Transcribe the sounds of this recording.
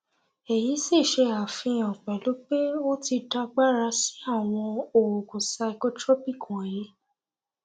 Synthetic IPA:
e˨ji˨˦si˦˨ʃe˧a˨fĩ˧ɔ̃˨k͡pɛ˨lo˨˦k͡pe˦o˦ti˧da˧ɡ͡ba˦ɾa˧si̥˨˦a˦˨w̃ɔ̃˧o˨o˨ko˨sa˧i˨ko˧˦tɾɔ˦pi˦˨kũ˨ã˨je˨˦

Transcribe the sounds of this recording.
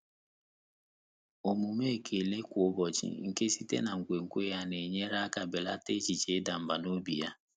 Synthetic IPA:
o˨mu˨me˦˨kʰe˨le˦kʷʊ˨o˦bɔ˨t͡ʃḭ˦ŋ̩˨ke˦si˦tḛ˦na˨ŋ̩˨kʷe˨ŋ̩˨kʷo˦ja˦ne˨ɲe˦ɾa˦ka˨be˨la˦te˦t͡ʃi˨t͡ʃe˨˦da˨m̩˨ba˨no˦bi˨ja˦

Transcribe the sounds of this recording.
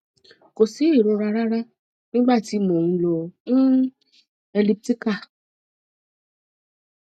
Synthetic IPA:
ko˨si˨˦e˦˨ɾɔ˧ɾa˧ɾa˦ɾa˦ | nĩ˦ɡ͡ba˦˨ti˨˦mɔ̃˨ŋũ˧lõ˧˦ | e˧li˦˧p̚ti˦ka˦˨

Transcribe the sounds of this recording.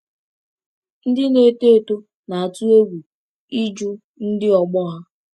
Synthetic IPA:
n̩˦dɪ˦ne˨te˦˨to˦ | na˨a˨tu˦e˦ɡʷu˨ | i˦d͡ʒu˦ | n̩˦dɪ˦ɔ˨ɡ͡bɔ˦ɦa˦

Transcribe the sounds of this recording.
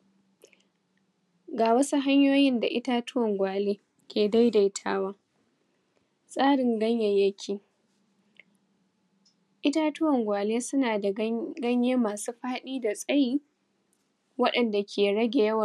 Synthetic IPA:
ɡaː˨wɐ˦su˦ɦa˦ɲjoː˦jɪ˦nda˨ʔɪ˦ta˦tʊ˦wɐ˨ŋɡʷaː˨leː˦ | kʲeː˨da˦jda˨jtʰa̰ː˦waː˦ | sʼaː˦ɽɪ˨ŋɡɐ˦ɲjɛ˨jɐ˦kʲʰiː˨ | ʔɪ˦ta˦tʊ˦wɐ˨ŋɡʷaː˨leː˦sʊ˦naː˨da˨˦ɡɐ˦ɲjeː˦maː˨suː˦ɸaː˦ɗiː˦da˨sʼɐ˦jiː˦ | wɐ˦ɗɐ˨nda˨kʲʰeː˨ɽɐ˦ɡʲe˨jɐ˦wɐ˨

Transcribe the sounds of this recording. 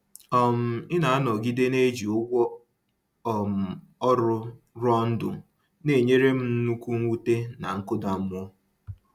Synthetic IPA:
ɔ˨m̩˦ɪ˦na˨a˦nɔ˨ɡi˦de˦ne˦d͡ʒi˨ʊ˦ɡʷɔ˦ | ɔ˨m̩˨ | ɔ˦ɾʊ˦ | ɾɔ˦n̩˦dʊ̰˨ | ne˨ɲe˦ɾe˦m̩˦n̩˦nu˦kʷu˦ŋ̩˦u˦te˦na˨ŋ̩˦kʊ˦da˨m̩˦m˦ɔ˦

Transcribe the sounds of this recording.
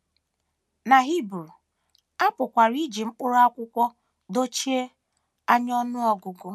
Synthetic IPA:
na˨ɦi˦bɾu˨ | a˦pʊ˨kʷa˨ɾi˦d͡ʒi˨m̩˦k͡pʊ˦ɾa˦kʷʊ˦kʷɔ˦ | do˦t͡ʃi˦e˦ | a˦ɲ˦ɔ˦nʊ˦ɔ˦ɡʊ˨ɡʊ˦

